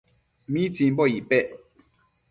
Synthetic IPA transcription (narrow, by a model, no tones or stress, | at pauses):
mit͡sim̩bɔjipɛʔ